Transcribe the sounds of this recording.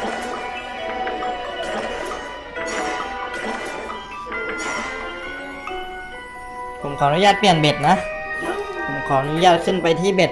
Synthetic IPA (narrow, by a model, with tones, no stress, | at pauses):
pʰo˩˦mkʰɔː˨˦na˧˥˦jaː˧˥˩k̚pi˧˨˩ənbe˨˩t̪̚na˦˧˥ | pʰo˩˦mkʰɔː˨˩˦na˧˥˦jaː˧˥˩t̪̚kʰɯ˧˥˨npa˧jt̪ʰiː˧˥˨be˨˩t̪̚